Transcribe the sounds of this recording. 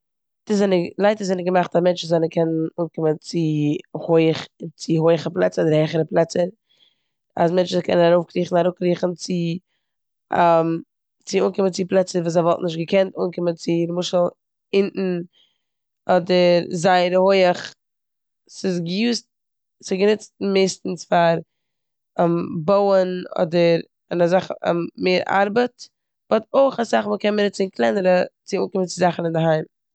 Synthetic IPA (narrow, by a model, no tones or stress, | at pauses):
təzɛnəlˠaɪtəzɛnəɡəmaχtamɛnt͡ʃn̩zaɪnəkʰɛnənuːnkɪmənt͡sɪhoɪəχt͡sɪɦoɪəχəplˠɛ̰t͡səɔdəɾhɛɪχəɾəplˠɛt͡səɾ | a̰s̬mɛnt͡ʃnkʰɛ̰nənaɾoʊfkɾiːχn̩aɾʊːkɾiːχn̩t͡sɪ | am | t͡sɪuːnkɪmənt͡sɪplˠɛt͡səvuːsaɪvɔlˠtnɪʃ̬tɡəkʰɛntuːnkɪmənt͡sɪɾmʊʃəl̩ˠ | ɪnʔn̩ | ɔdəɾzaɪəɾəhoɪəχ | sɪs̬ɡəjuːst̚ | sɪɡənɪt͡st̚meɪstn̩sfaɾ | amboʊənɔ̰dəɾ | ɪnazaχmmeːɾʔa̰ɾbət | b̥ɔtoɪχasaχməkɛnməɾɪt͡sɪnklˠɛnəɾət͡sɪuːnkɪmənt͡sɪzaχn̩ɪndəɦaɪm